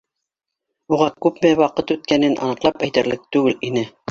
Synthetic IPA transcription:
uʁɑkʉpmæwɑqɤt̪ʉt̪̚kænɘnʔɑ̰nɤ̆qlˠɑpæjt̪æ̆ɾlɘk̚t̪ʉɡɘlinɘ

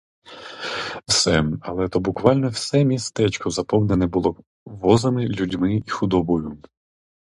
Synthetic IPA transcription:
wsɛɐlˠɛt̪ɔbʊkʋɑlʲnɔwsɛmʲist̪ɛt͡ʃkɔzɐpɔwnɛnɛbʊlˠɔ | ʋɔzɐmɪlʲudʲmɪixʊd̪ɔbɔjʊ

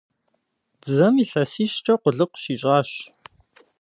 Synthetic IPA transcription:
zɐmiːɬɐsiːʃʈ͡ʂʰʼɐqʷʊɮɨqʷʃiːɕʼaːɕ

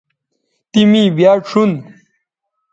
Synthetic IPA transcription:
t̪imibjaːʂun

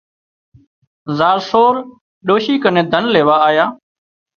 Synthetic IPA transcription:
zaːɾsoːɾ | ɗoːʃiːkənẽːd̪ʱənleːʋaːaːjaː

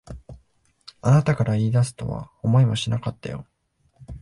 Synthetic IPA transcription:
anat̪akaɾaiːd̪asɨ̥t̪o̞̰βa̰omo̞imo̞ɕinakat̪ːa̰jo̞̰

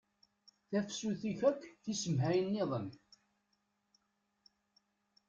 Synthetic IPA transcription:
θæfsuθiçækʷːθisəmɦæjənːeðˤəm

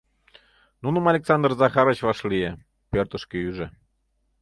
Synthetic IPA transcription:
nunə̆mɑlʲeksɑnd̪rzɑxɑɾə̆t͡ɕvɑʃlije | pʲørt̪ə̆ʃkeyʒĕ

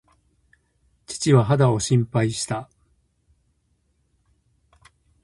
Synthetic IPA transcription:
t͡ɕi̥t͡ɕiβaɦad̪ao̞ɕĩmpaiɕi̥t̪a

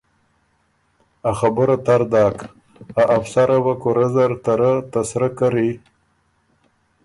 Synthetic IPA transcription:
axabəɾat̪aɾd̪ɑːk | aʔafsaɾawakoɾazaɾt̪aɾat̪asɾakaɾi

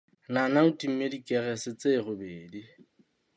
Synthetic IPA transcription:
nanautʼim̩medikʼɛɣɛsɪt͡sʼeɣʊbeːdi

